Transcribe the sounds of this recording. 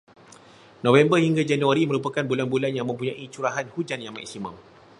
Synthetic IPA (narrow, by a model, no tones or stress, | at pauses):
nõvɛmbəhiŋɡad͡ʒanũaɾimə̃ɾupakanbulanbulanjaŋmə̃mpuɲãʔit͡ʃuɾaɦanhud͡ʒanjaŋma̰k̚simã̰m